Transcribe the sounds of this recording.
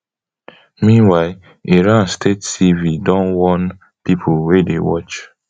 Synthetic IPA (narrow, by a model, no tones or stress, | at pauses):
mĩnwaɪ | eɾãnstʰetsividɔ̃nwɔn | pipʰulwedewɔt͡ʃ